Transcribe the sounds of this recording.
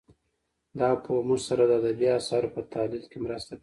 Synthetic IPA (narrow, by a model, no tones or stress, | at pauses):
d̪ɑpʰəmuʒsaɾad̪əad̪abiɑsɑɾopət̪ʰɑlɪlkemɾast̪a